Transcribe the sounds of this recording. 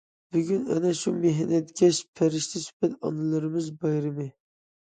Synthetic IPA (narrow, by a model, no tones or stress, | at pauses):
byɡʲynɛ̰nɛʃumeɦɛnɛt̪kʲɛʃpʰæɾɪʃt̪ʰɪsy̥pɛt̪ɑ̰nɨlˠɨɾɨmɨzbɑjɾɨmɨ